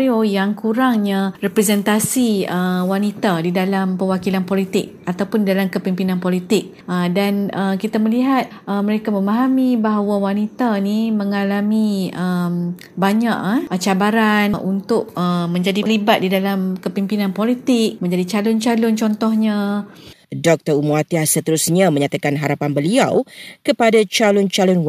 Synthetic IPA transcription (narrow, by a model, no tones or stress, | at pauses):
ɾiojaŋkuɾaŋɲarɛpɾɛzɛnt̪asiəwanit̪adidalampəwakilanpolit̪ɪk̚at̪awpʊndidalamkəpimpinanpolit̪ɪk̚ | ʔədanəkit̪aməliɦat̪̚ʔəməɾekamə̃maɦamibaɦawawanit̪animə̃ŋalamĩəm | baɲaʔat͡ʃabaɾanʔunt̪ʊʔ̚əmə̃ɲd͡ʒadilibat̪̚didalamkəpimpinãnpolit̪ɪk̚mə̃ɲd͡ʒadit͡ʃalʊnt͡ʃalʊnt͡ʃɔnt̪ɔhɲã | dɔk̚t̪əɾumuat̪iahsət̪əɾusɲamə̃ɲat̪akanɦaɾapanbəliawkəpadat͡ʃalʊnt͡ʃalʊnw